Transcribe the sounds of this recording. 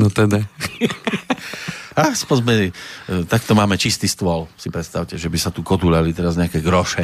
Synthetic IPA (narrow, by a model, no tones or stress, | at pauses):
nɔt̪ɛd̪a | aspɔzbɛt̪akt̪ɔmaːmɛt͡ʃist̪ist̪ʊɔlsipɾɛt̪st̪aʊcɛʒɛbisat̪ukɔd̪uʎalit̪ɛɾazɲɛakɛɡɾɔʃɛ